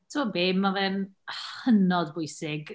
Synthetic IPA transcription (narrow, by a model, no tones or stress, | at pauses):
tʰəmɔbeːmːavɛnhənɔdbʊjsɪɡ